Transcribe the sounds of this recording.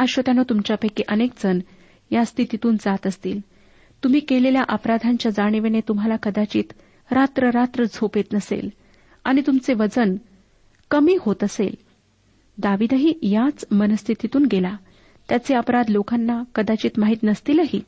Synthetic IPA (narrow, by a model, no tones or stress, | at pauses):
əɕʋət̪janot̪umt͡ɕjapəjkiʔənek̚d͡zən | jast̪ʰit̪it̪uːnd͡zat̪əst̪iːl | t̪um̤iːkeleljaʔəpɾad̪ʱaɲt͡ɕjad͡zaɽ̃iʋenet̪umɦalakəd̪at͡ɕiːt̪ | ɾat̪ɾəɾat̪ɾəd͡zʱopet̪nəsḛl | a̰ɽ̃it̪umt͡seʋəd͡zən | kəmiːhot̪əsḛl | d̪aʋiːd̪əɦiːjat͡smənəst̪ʰit̪it̪uːnɡela | t̪jat͡seəpɾad̪lokanːakəd̪at͡ɕiːt̪maɦiːt̪nəst̪iːləɦiː